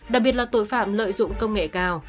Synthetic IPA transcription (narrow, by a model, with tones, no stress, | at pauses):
ɗaː˨˩k̚ɓi˨˩ət̚laː˨˩t̪o˧˩jfaː˧˨mlə̰ː˧˨jzʊ̰˧˨ŋ͡mkə˧wŋ͡mŋḛ˧˨kaː˧˩w